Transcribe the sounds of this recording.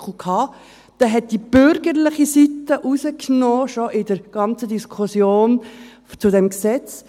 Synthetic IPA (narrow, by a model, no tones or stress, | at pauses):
χl̩kʰhɑː | d̪̥ɛɦɛt̚d̥ib̥ʏɾɡəɾlɪχisit̪ːəʔusəknɔːʃɔʔɪdəɾɡ̥ɑnt͡səd̪iskʰusjoːn | t͡sʊdɛmksɛt͡s